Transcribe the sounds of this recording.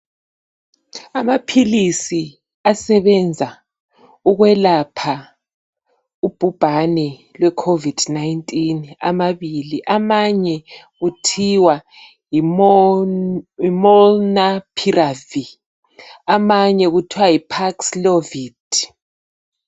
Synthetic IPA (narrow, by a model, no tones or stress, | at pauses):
amapʰilisi | asɛβɛnd͡zʱa | uɣwɛlapʰa | ub̥ʱub̥ʱanɛlwɛkʰovid̥najintʼina̰maβiliʔamaɲɛ | ɣutʰiwa | ji | imɔlnapʰiravi | amaɲɛɣutʰiwajipʰakslovit